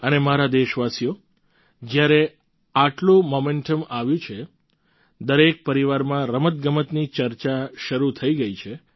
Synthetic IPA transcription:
ənemaɾad̪eʃʋasijo | d͡ʒjaɾe | aʈlũmomeɳʈəmaʋjũt͡ʃʰe | d̪əɾek̚pəɾiʋaɾmãɾəmət̪̚ɡəmət̪nit͡ʃəɾt͡ʃaʃəɾut̪ʰəiɡəit͡ʃʰe

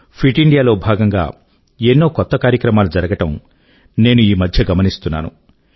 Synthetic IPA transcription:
pʰɾiʈiɳɖijaːlo̞ːbʱaːɡɐŋɡa̰ː | enːoːkɔt̪ːɐkaːɾjɐkɾɐmaːlud͡ʒɐɾɐɡɐʈɐm | ne̞ːnuiːmɐd̪ʱjɐɡɐmɐnist̪unːa̰ːnṵ

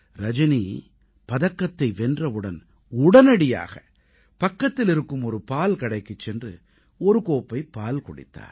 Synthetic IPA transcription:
ɾɐd͡ʒɐniː | pɐðɐkːɐt̪ːɐɪʋɛndrɐʋɯɽɐn | ʊɽɐnɐɽɪja̰ːɣɐ̰ | pɐkːɐt̪ːɪlɪɾɯkːɯmɔɾɯpaːlkɐɽɐɪkːɯt͡ʃːɛndrɯ̰ | ɔɾɯkoːpːɐɪpaːlkɔɽɪ̰t̪ːa̰ːɾ

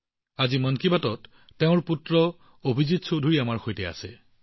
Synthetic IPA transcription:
azimankibatɔtː | eʊ̃ɹputɹɔ | obʱizitsodʱuɹiamaɹxojtɛa̰sɛ̰

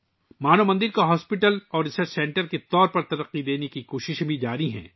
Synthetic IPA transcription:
maːnomɐ̃nd̪ɪɾkaɦɔːspɪʈəlɔːɾɪsəɾt͡ʃsɛ̃ːɳʈəɾket̪ɔːɾpɐɾt̪ɐɾɐqːid̪eːnekikoːʃɪʃbʱid͡ʒaːɾiɦɛ̰̃ː

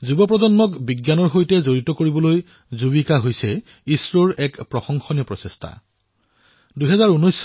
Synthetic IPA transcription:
zubɔpɹɔzɔnmɔkbiɡjanɔɹɦojtɛzoɹitɔkoɹibɔloj | zubikaɦojsɛ | isɹoɹɛkpɹɔxɔŋxɔniɔpɹɔsestʰa̰ | duɦɛzaɹunojs

